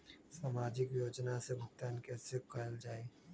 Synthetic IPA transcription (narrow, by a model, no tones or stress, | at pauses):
saːmaːd͡ʒɪkjoːd͡ʒnasebʱʊkt̪aːnkɛːsekəld͡ʒaːe